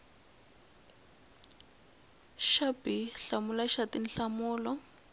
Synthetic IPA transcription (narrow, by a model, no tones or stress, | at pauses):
ʃabiɬamulaʃatinɬamuːlɔ